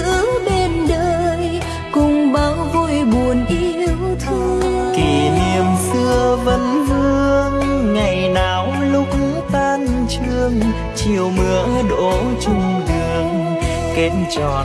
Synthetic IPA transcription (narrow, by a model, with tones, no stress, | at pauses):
ɨ̰˧˦ɗe˧nɗəː˧j | kʊ˧˩ŋ͡mɓaː˨˦wvo˧˩jɓu˨˩ənʔi˧əwt̪ʰɨ˧˦ki˨˩ni˨˩əmsɨ˧əvə˨˦nvɨ˧əŋːa˨˩jnaː˨˩wlʊ˦˥k͡p̚ | t̪aː˧nt͡ɕɨ˧əŋ | t͡ɕi˨˩əwmɨ˨˦əɗo˧˦ | t͡ɕʊ˧ŋ͡mɗɨ˨˧˩əŋ | ke˨˦nt͡ɕɔ˧˨˩